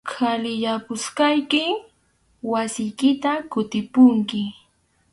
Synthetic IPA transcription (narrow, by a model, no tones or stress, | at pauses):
kʰalɪʎapʊskajkɪ | wasɪjkɪt̪akʊt̪ɪpʊŋkɪ